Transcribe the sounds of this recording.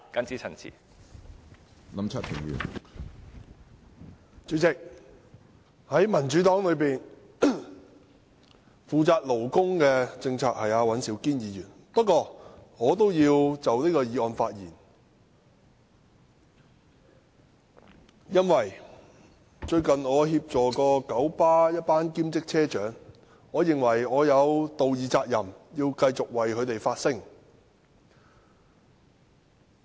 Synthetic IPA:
ka˥nt͡siː˥t͡sʰɐ˨˩nt͡sʰḭː˨˩ | nɐ˨˥mt͡sʰa˥t̚pʰɪ˨˩ŋjy̰ː˨˩n | t͡ʃyː˨˧˥t͡sɪ˨k̚ | hɐ˨˥jmɐ˨˩nt͡ʃyː˨˥t̪ɔː˨˥ŋlɵ˨˧ɥpiː˨n | fuː˨t͡saː˧k̚lo˨˩wkʊ˥ŋkɛː˧t͡sɪ˧ŋt͡sʰaː˧k̚hɐ˨jaː˨˧wɐ˨˥nsiː˨˥wkiː˥njiː˨˧jyː˨˩n | pɐ˥t̚kːɔː˧ŋɔː˨˧t̪̬o˥wjiː˧wt͡sɐ˨wniː˥kɔː˧jiː˨˧ɔː˨˧nfaː˧t̚jiː˨˩n | jɐ˥nwɐ˨˩j | t͡ʃɵ˧ɥkɐ˨˩nŋɔː˨˧ɦiː˧p̚t͡sɔː˨˩kɔː˧kɐ˨˥wpaː˥jɐ˥t̚paː˥nkiː˥mt͡sɪ˥k̚t͡sʰɛː˥t͡ʃœː˨˥ŋ | ŋɔː˨˧jɪ˨ŋwɐ˨˩jɔː˨˧jɐ˨˧wt̪o˨wjiː˨t͡saː˧k̚jɐ˨˩mjiː˧wkɐ˧jt͡sʊ˨k̚wɐ˨jkʰɵ˨˧ɥt̪e˨˩jfaː˧t̚sɪ˥ŋ

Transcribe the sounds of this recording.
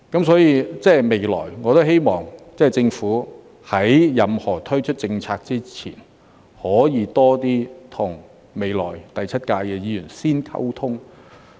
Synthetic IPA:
kɐ˨˥ms̬ɔː˨˥jiː˧t͡sɛː˥˩jme˨˧˩jlɔ̰ː˨˩jŋɔː˨˧t̪o˥whe˥jmɔː˨˩ŋt͡sɛː˥˩t͡sɪ˧ŋfuː˨˥ | hɐ˨˥jjɐ˨mhɔː˨˩t̪ʰɵ˥ɥt͡ʃʰɵ˥t̚t͡sɪ˧ŋt͡sʰaː˧k̚t͡siː˥t͡sʰḭː˨˩n | hɔː˨˥jiː˨˧t̪ɔː˥t̪iː˥t̪ʰʊ˨˩ŋ | me˨˧jlɔ̰ː˨˩jt̪ɐ˨jt͡sʰɐ˥t̚kaː˧kɛː˧jiː˨˧jyː˨˩nsiː˥nkʰɐ̰˥wt̪ʰʊ˥ŋ

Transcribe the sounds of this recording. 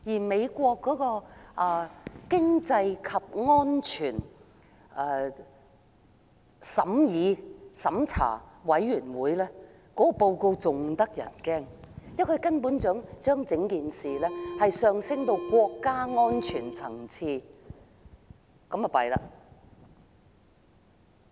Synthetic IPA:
jiː˨˩me˨˧jkʷɔː˧kːɔː˨˥kɔː˧ʔa˨˧kɪ˥ŋt͡sɐ˧jkʰɐ˨p̚ŋɔː˥nt͡ʃʰyː˨˩n | ʔɛː˧ | sɐ˨˥mjiː˨˧sɐ˨˥mt͡sʰa̰ː˨˩wɐ˨˥jɥyː˨˩nwuː˨˥jlɛː˥ | kɔː˨˥kɔ˨˧po˧wko˧wt͡sʊ˨ŋt̪ɐ˥k̚jɐ̰˨˩nkɛː˥ŋjɐ˥t̚kʰɵ˨˧ɥkɐ˥npuː˨˥nt͡ʃœː˨˥ŋt͡ʃœː˥ŋt͡sɪ˨˥ŋkiː˨nsiː˨lɛː˥hɐ˨jsœː˨˧ŋsɪ˥ŋt̪o˧wkʷɔː˧kːaː˥ŋɔː˥nt͡ʃʰyː˨˩nt͡sʰɐ˨˩ŋt͡sʰiː˧ | kɐ˨˥mɐ˨˩pɐ˨jla̰ː˧

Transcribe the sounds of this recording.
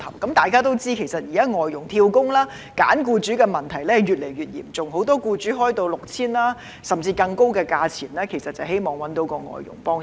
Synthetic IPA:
ɐ̰˨˩wkɐ˨˥mt̪aː˨jkaː˥t̪o˥wt͡siː˥kʰe˨˩jsɐ˨t̚jiː˨˩kaː˦˥ŋɔː˨˩jːʊ˨˩ŋt̪ʰiː˧wkʊ˥ŋlaː˥ | ka̰ː˨˥nkuː˧t͡syː˨˥kɛː˧mɐ˨nt̪ʰɐ˨˩jlɛ˥hɐ˨jɥyː˨t̚le˨˩jyː˨t̚jiː˨˩mt͡sʊ˨ŋɦo˨˥wt̪ɔː˥kuː˧t͡syː˨˥ɦɔː˥jt̪o˧wlʊ˨k̚t͡sʰiː˥nlaː˥ | sɐ˨mt͡siː˧kɐ˧ŋko˥wkɛː˧kaː˧t͡sʰiː˨˩nlɛː˥kʰe˨˩jsɐ˨t̚t͡sɐ˨whe˥jmɔː˨˩ŋwɐ˨˥nt̪o˨˥wkɔː˧ŋɔ̰ː˨jjʊ̰˨˩ŋpɔː˥ŋ

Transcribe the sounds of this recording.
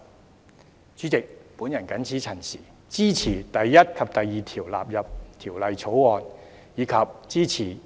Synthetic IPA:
t͡sy˨˥t͡sɪ˨k̚puː˨˥njɐ˨˩nkɐ˨˥nt͡sʰiː˨˥t͡sʰɐ˨˩nsiː˨˩ | t͡siː˥t͡sʰiː˨˩t̪ɐ˨jːɐ˥t̚kʰɐ˨p̚t̪ɐ˨jːiː˨t̪ʰiː˨˩wla̰ː˨p̚jɐ˨p̚t̪ʰiː˨˩wlɐ˨˧jt͡sʰo˨˥wwɔː˨˧n | jiː˨˧kʰɐ˨p̚t͡siː˥t͡sʰiː˨˩

